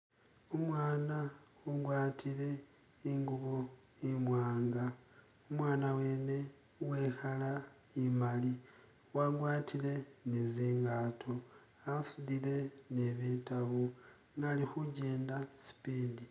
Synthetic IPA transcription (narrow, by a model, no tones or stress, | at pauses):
omwaːna | uɡwaːtʰile̞ | iŋɡuβo | imwaːŋɡa | omwaːnawe̞ne̞ | we̞xala | imali | waɡwaːtile̞neziːŋɡaːtʰo̞ | asuðile̞neβitaβu | ŋaːlixuɟe̞ːndasi̥piːndi